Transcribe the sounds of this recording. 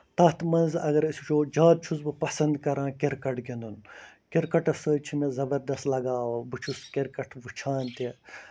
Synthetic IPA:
t̪ɐːt̪mɐnzɐɡɐɾisʲut͡ʃʰoːd͡ʒaːd̪̚t͡ʃʰuzbɨpɐsɐnd̪kɐɾãːkiɾkɐʈɡʲind̪unkiɾkɐʈɐsəːt͡ʃʰimezɐbɐɾd̪ɐst̪lɐɡaːʋɐbɨt͡ʃʰuskiɾkɐʈʰʋɨt͡ʃʰaːnt̪e

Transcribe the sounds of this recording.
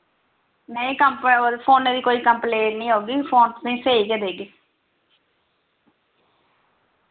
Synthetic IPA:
mɛ̃ːĩːkəmpod̪pʰoːnːeːd̪iːkoːiːkəmpleːɳnĩːɦoːɡiːpʰoːnsĩːseːiːked̪eːɡiː

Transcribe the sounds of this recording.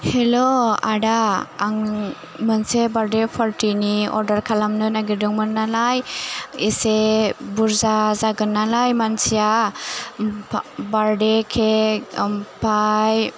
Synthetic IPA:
heloa̰ɖaːŋ | mɯnsebaɾdepʰɔɾʈiniɔ̰ɾdaɾkʰalamnɯnaɡidɯŋmɯnːalajisebuɾzazaɡɯnːalajmansija | baɾdekʰe | pʰaj

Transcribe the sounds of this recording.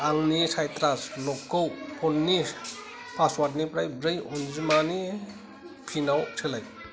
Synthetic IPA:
aŋnisajtɾaslɔkːowpʰɔnːi | pʰaswat̬nipɾajbɾɯjund͡ʒimani | pʰinawsʰelaj

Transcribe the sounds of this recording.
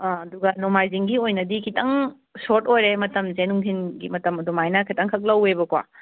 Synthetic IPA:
ɐduɡɐnomajziŋɡiojnɐdikʰitʰɐŋ | soɾtojɾemɐtɐmzenuŋtʰinɡimɐtɐmɐdumajnɐkʰitɐŋkʰɐk̬̚lɐwebɐkwa̰

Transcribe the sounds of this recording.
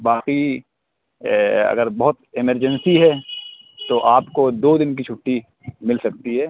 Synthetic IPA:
baːqi | ɐ̰ɡəɾbɐɦʊt̪ɪməɾd͡ʒənsiɦɛ | t̪oʔaːpkod̪oːd̪ɪnk̬it͡ʃʰʊʈːi | mɪlsɐk̚t̪iɦɛː

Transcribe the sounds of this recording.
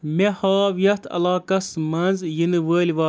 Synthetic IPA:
mehaːʋijɐt̪ʰɐ̰laːkɐsmɐnzjinɨʋəːlʲʋaː

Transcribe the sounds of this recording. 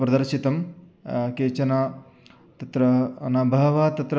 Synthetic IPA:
pɾɐd̪ɐɾʃit̪ɐm | keːt͡ʃɐna | t̪ɐt̪ɾɐɐnɐbʱɐɦɐʋɐɦɐt̪ɐt̪ɾɐ

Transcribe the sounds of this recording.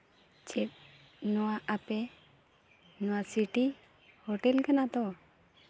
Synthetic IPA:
t͡ʃɛt̪̚ | nɔwaʔapɛ | nɔwasiʈi | hɔʈɛlkanat̪ɔ

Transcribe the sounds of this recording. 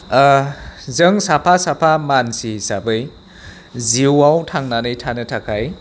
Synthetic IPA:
zɯŋsapʰasapʰamansisabɯj | ziwawtʰaŋnanɯjtʰanɯtʰakʰaj

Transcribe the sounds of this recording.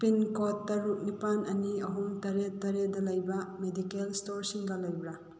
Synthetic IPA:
pinkɔtːɐɾuk̚nipanɐniɐɦumtɐɾetːɐɾedɐlɐjbɐmedikelstoɾsiŋɡɐlɐjbɾa

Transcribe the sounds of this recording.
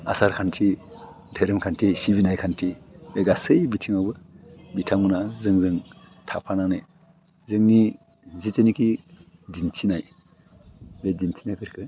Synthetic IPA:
a̰saɾkʰantʰi | dʱejɾɯmkʰantʰisiβinajkʰantʰibeɡasɯjbitʰiŋawbɯbitʰamunazɯŋzɯŋ | tʰapʰanaŋnɯ | zɯŋni | zitenikʰizintʰinaj | bezintʰi̥najkʰɯɾkʰɯ

